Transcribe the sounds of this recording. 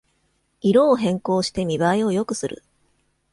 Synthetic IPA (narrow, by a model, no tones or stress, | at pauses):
iɾo̞ːɦẽ̞ŋko̞ːɕi̥t̪e̞mʲibaio̞jo̞kɯ̟sɨɾɯ̰